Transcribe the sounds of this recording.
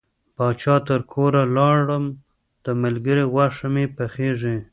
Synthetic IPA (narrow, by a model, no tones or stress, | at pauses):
bɑt͡ʃɑt̪əɾkʰoɾalɑɽəm | d̪̥əmalɡəɾiɣwaʂamepaxeʐi